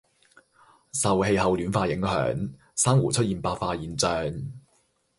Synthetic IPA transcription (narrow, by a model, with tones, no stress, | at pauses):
sɐ˨whe˧jhɐ˨wlyː˨˥nfaː˧jɪ˨˥ŋhœ̰ː˨˥ŋ | saː˥ŋwuː˨˩t͡sʰɵ˥t̚iː˨npaː˧faː˧jiː˨˩nt͡sœː˨˧ŋ